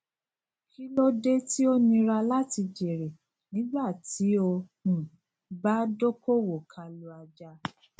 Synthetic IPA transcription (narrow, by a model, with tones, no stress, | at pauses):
ki˦lo˦de˦ti˦o˦nĩ˧ɾa˧la˦ti˧d͡ʒe˨ɾe˨ | nĩ˨˦ɡ͡ba˦˨ti˨˦o˧hũ˨ | ba˦do˦ko˦wo˨kʰa˧lu˧a˧d͡ʒa˧˦